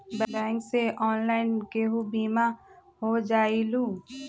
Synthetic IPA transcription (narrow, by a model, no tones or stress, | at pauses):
blɛ̃ːŋkseʔɔːnlaːɪnkeɦubiːmaɦod͡ʒaːilũ